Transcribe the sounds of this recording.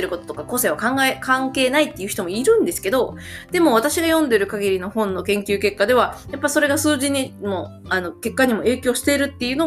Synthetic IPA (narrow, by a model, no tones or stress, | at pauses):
eɾɯ̟kot̪ot̪o̞kako̞se̞βakãŋɡaekãŋke̞ːnait̪ːe̞jɯ̟çi̥t̪o̞mo̞iɾɯ̟̃nd̪e̞sɨ̥ke̞d̪o̞ | d̪̥e̞mo̞β̞at̪aɕiɡajõ̞nd̪e̞ɾɯ̟kaɡʲiɾʲino̞hõ̞nːo̞kẽ̞ŋkʲɨ̟ːke̞kːad̪e̞β̞ajapːaiso̞ɾe̞ɡasɨːʑĩɲ̟ːimo | ano̞ke̞kːaɲ̟imo̞e̞ːkʲo̞ːɕi̥t̪e̞ɾɯ̟t̪ːe̞jɯ̟no